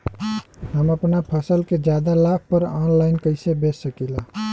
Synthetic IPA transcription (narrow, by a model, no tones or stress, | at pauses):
ɦəməpnapʰəsəlked͡ʒjad̪alak̚ʰpəɾɔnlajnkəɪsebesəkila